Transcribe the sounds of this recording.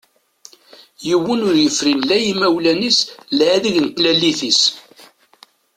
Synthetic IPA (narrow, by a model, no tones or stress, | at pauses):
jəwːənʊɾjəfɾinlæjimæwlænislʕaðəʝənt̪ːlælːiθis